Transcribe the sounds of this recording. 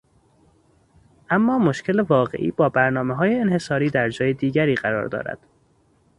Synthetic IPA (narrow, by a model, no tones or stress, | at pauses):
ʔæmːɒːmo̞ʃcʰelevɒːɣe̞̰ʔḭːbɒːbæɾnɒːmeɦɒːjeːnhe̞sɒːɾiːd̪æɾd͡ʒɒːjed̪iːɟæɾiːɢæɾɒ̰ːɾd̪ɒ̰ːɾæ̰d̪̥